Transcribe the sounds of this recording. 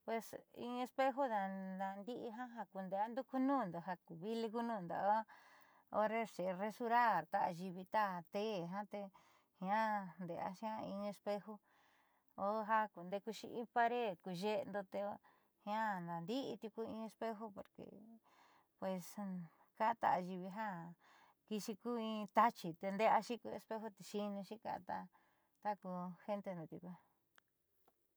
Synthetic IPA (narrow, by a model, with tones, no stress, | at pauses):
pwe˧sḭ̃˧e˧spe˦ɦo˦na˧na˧nd̪i˦ʔi˧ɦã˦ɦa˧ku˧nd̪e˧a˦nd̪u˦ku˦nũː˦˨nd̪o˨ɦa˧ku˨βi˦li˧ku˦nũː˦˨nd̪a̰˨o˦ | o̰˦ɾe˦ʂe˨˧re˧su˧ɾa˦˨ɾt̪a˦ʔa˧ʒi˧βi˧t̪a˦˧˨t̪e˦˨ɦã˦t̪e˧ | hĩ˧ã˦nd̪e˨a̰˦ʃã˦ĩ˧e˧spe˦ho˦ | o˦ɦa˦ku˨nd̪e˧˦ku˧ʃḭ˧ʔĩ˦pa˧ɾe˦˨ku˧ʒe˦˧nd̪o˧t̪e˧˦ | hĩ˧ã˦nã˨nd̪i˦i˧t̪ʲu˧ku˦ĩ˧e˧spe˦ɦo˦po˨ɾkḛ˨ | pwe˨˧s | ka˦˧t̪a̰˧˨a˧ʒi˧βi˧ɦã˦ | ki˧ʃi˧ku˦ĩ˧t̪a˦t͡ʃi˧t̪e˧nd̪e˦a˧ʃĩ˦ku˧e˧spe˦ɦo˦t̪e˧ʃi˧nũ˧ʃĩ˦ka̰˧t̪a˧ | t̪a˦ku˧he˦nt̪e˧nd̪õ˧t̪ʲṵ˧ku˧˦